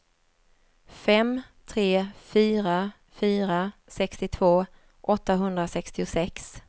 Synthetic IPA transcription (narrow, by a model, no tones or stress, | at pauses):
fɛmt̪ʰɾeːfyːɾa | fyːɾasɛkst̪ɪt̪ʰvoː | ʔɔt̪ːaɦɵnd̪ɾasɛkst̪ɪʊsɛks